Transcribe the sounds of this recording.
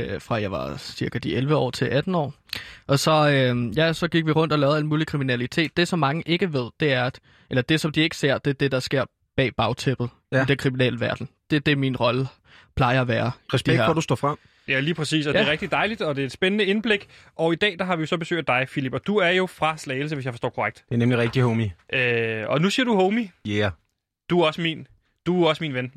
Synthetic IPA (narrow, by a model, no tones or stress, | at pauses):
fʁɑ̈jɑ̈ɪʋɑ̈siɐɡ̥æd̥iʔelʋəɒ̰ːt͡sʰe̝lʔæd̥n̩ɒ̰ː | ʔɒ̽sɒ̽øjæsɒ̽ɡ̥iɡ̥ʋiʁɔ̽n̰d̥ɒlɛːʊæ̰̥muːlikʰʁiminælit͡sʰe̝̰ːd̥̚ːe̝sɒ̽mːɑ̈ŋəʔe̝ɡ̥əʋe̝ð̞̰ˠd̥e̝æɐæ̥ | ʔelɐd̥e̝sɒ̽md̥ie̝ɡ̥ə̥se̝ɐ̰d̥e̝d̥e̝d̥ɑ̈sɡ̥e̝ɐ̰ | b̥ɛ̰ːb̥ɑ̈ʊt͡sʰeb̥ð̞̩ˠ | id̥enkʰʁiminɛ̰ːləʋæɐd̥n̩d̥e̝d̥e̝minʁɒ̽lə | pʰlɑ̈ɪɐæʋæːɐʁɛsb̥d̥i̥æɐ̰fɒd̥usd̥ɔ̰ːfʁɑ̈m̰ | jæliːpʰɛsḭːsɒd̥eʁɛɡ̥̚d̥id̥ɑ̈ɪlid̥ɒ̽d̥e̝æɐed̥sb̥enənəe̝nb̥le̝ɡ̥ʔɒ̽id̥ɛ̰ːd̥ɑ̈ɦɑ̈ʋijo̝sɒ̽b̥esø̰ːd̥ːɑ̈ɪfilib̥ɒ̽d̥uæɐjo̝fʁɑ̈slɛɪl̩s̬əʋesjɑ̈ɪfɒsɔ̰ːkʰoʁaɡ̥̚d̥d̥e̝nemliʁɛɡ̥̚d̥ihoʊmiʔøɒ̽nusiɐd̥uhoʊmij | d̥uɒ̽səmin | d̥uɒ̽səminʋen